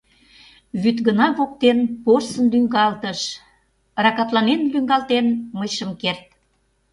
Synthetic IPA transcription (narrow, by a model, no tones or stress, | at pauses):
βyt̪ɡənɑβok̚t̪enporsənlyŋɡɑlt̪əʃ | rɑkɑt̪lɑnenlyŋɡɑlt̪enməjʃəmkert̪̚